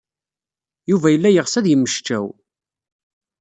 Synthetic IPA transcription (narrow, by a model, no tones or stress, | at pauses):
juvæjəlːæjəʁsæðjəmːəʃt͡ʃæ̰w